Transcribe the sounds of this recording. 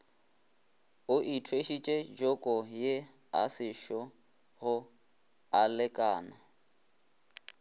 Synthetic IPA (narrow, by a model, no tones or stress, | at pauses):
ʊʔitʰweʃit͡ʃʼed͡ʒɔkʼɔje | a̰sɪʃɔ | ɣʊ | alɪkʼaːna